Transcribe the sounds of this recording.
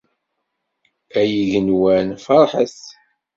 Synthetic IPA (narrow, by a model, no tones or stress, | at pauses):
æjiðənwænfɑɾˤħəθ